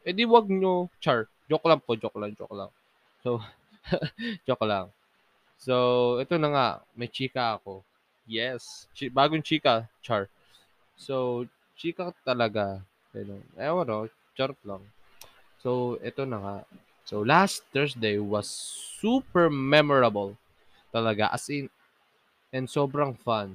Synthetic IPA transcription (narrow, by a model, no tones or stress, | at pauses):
ʔɛd̪ɪwɐɡ̚ɲot͡ʃaɹ | d͡ʒoklam̚kod͡ʒoklaŋt͡ʃo̰kla̰ŋ | sow | d͡ʒoklaŋ | sowʔɛt̪onɐŋa̰ʔmɐjt͡ʃiːkɐɐko̞ | jɛst͡ʃibaːɡojŋt͡ʃiːkɐt͡ʃaɹ | sow | t͡ʃiːkɐt̪ɐlɐɡa | ɐnonɛono | t͡ʃaɾt̪laŋ | soʔɛt̪onɐŋaʔ | sowlastt̪ɛɹsd̪ejwɐsːupɛɹmɛmɔɹɐbɐl | t̪ɐlɐɡa̰ʔɐ̰sɪn | ɛnsobɾɐŋfan